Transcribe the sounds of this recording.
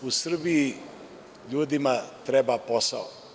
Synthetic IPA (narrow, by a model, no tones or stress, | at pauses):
usr̩bii | ʎuːd̪imat̪ɾɛbaːposao